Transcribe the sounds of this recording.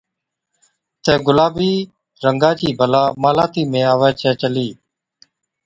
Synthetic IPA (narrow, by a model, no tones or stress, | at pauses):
t̪ẽːɡʊlaːbiː | ɾəŋɡaːt͡ʃiːbʱəlaːmaːlaːt̪iːmẽːaːʋeːt͡ʃʰɛːt͡ʃəliː